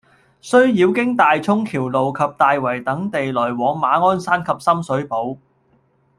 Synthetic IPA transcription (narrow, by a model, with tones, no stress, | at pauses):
sɵ˥ɥjiː˨˧wkɪ˥ŋt̪aː˨jt͡sʰʊ˥ŋkʰiː˨˩wlo˨wkʰɐ˨p̚t̪aː˨jwɐ˨˩jt̪ɐ˨˥ŋt̪e˨jlɔː˨˩jwɔː˨˥ŋmaː˨˥ŋɔː˥nsaː˥nkʰɐ˨p̚sɐ˥msɵ˨˥ɥpo˨˥w